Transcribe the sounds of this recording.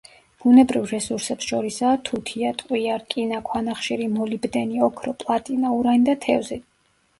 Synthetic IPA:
b̥unɛbɾivɾɛsuɾsɛpsʃɔɾisaːt̪ʰut̪ʰiat̪ʼqʼwiaɾkʼinakʰwanaχʃiɾimɔlibd̪ɛniɔkʰɾɔpʼlˠat̪ʼinauɾand̪at̪ʰɛvzɛ

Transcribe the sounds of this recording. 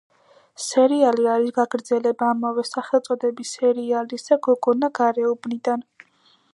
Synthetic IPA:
sɛɾialiaɾisɡaɡɾd̪zɛlɛbaːmavɛsaχɛlˠt̪sʼɔd̪ɛbisɛɾialisd̪̥aɡɔɡɔnaɡaɾɛɔbnid̪an

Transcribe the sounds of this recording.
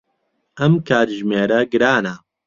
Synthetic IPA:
ɐmkʰaːt̪ʒmeːɾɐɡɨɾaːnɐ

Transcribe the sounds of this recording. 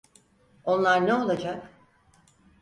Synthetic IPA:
o̞nlˠaɾneo̞lˠad͡ʒak

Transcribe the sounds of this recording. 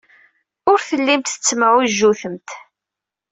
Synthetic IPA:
ʊɾθəlːimt̪θə̥t͡sːməʕuʒːuθəmt̪

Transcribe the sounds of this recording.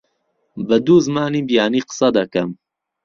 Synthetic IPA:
bəd̪uːzmaːniːbijaːniːqə̥sɐd̪ɐkɐm

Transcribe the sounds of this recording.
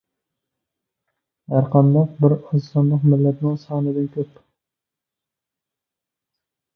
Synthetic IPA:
hæɾqʰɑnd̪ɑq̚bɪɾʊzsɑnlˠəqmɪlːɛt̪nɪŋsɑːnɨd̪ɪnkʲʰøp

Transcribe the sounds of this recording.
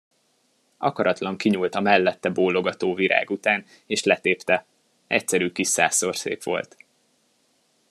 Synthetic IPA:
ʔɒkɒɾɒt̪lɒŋkiɲuːlt̪ɒmɛlːɛt̪ːɛboːlːoɡɒt̪oːviɾʔa̰ːɡut̪aːn | eːʃlɛt̪eːpt̪ɛ | ɛc̚sɛɾyːkiʃsa̰ːsːo̞rsḛːpʋo̞̰lt̪

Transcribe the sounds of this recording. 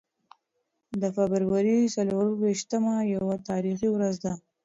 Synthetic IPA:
d̪əfabəɾwaɾisaloɾweʃt̪əmajawat̪ɑɾixiwɾazd̪a

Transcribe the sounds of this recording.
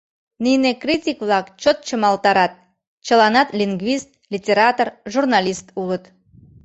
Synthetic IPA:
nijnekritʲikβlɑkt͡ɕot̪̚t͡ɕəmɑlt̪ɑɾɑt̪̚ | t͡ɕəlɑnɑt̪lʲiŋɡvʲist̪̚lʲitʲeɾɑt̪orʒurnɑlʲist̪ulət̪

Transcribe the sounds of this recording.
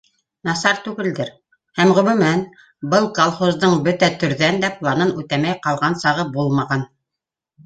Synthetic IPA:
nɑsɑɾt̪ʉɡɘ̆ld̪ɘɾ | hæmʁɵ̆mʉ̆mæn | bɤlˠkolˠχozd̪ɤɴbɵt̪æt̪ɵ̆ɾðænd̪æplˠɑnɤnʉt̪æmæjqɑlˠʁɑnsɑʁɤbulˠmɑʁɑn

